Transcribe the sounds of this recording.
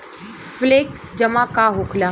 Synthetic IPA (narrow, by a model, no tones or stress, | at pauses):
fleksd͡ʑəmakaɦokʰla